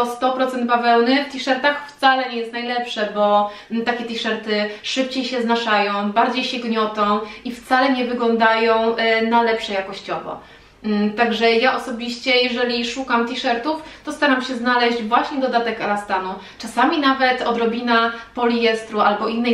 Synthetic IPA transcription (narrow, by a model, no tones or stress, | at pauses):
ɔst̪ɔpɾɔt̪sɛnd̪̚bavɛwnɘft̪ʲiʂɛɾt̪axft̪salɛɲɛjɛst̪najlɛpʂɛbɔ | t̪akʲɛt̪ʲiʂɛɾt̪ɘʂɘp̚t͡ɕejɕɛznaʂajɔ̃w̃baɾd͡ʑejɕɛɡɲɔt̪ɔ̃w̃ift̪salɛɲɛvɘɡlɔnd̪ajɔ̃w̃nalɛpʂɛjakɔɕt͡ɕɔvɔ̰ | t̪aɡʐɛjaʔɔsɔbʲiɕt͡ɕɛjɛʐɛlʲiʂukamt̪ʲiʂɛɾt̪uft̪ɔst̪aɾamɕɛznalɛʑd͡ʑvwaɕɲɛd̪ɔd̪at̪ɛkaɾast̪anu | t͡ʂasamʲinavɛt̪ɔd̪ɾɔbʲinapɔlʲijɛst̪ɾuʔalbɔʔinːɛ